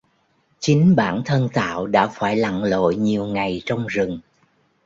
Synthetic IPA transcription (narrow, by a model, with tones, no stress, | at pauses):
t͡ɕï˨˦ŋ̟ɓaː˧˩nt̪ʰə˧nt̪a̰ː˧˨wɗa̰ː˧˥faː˧˩jla̰˧˨ŋlo̰˧˨jɲi˨˩əwŋa˨˩jt͡ɕɔ˧wŋ͡mzɨ˨˩ŋ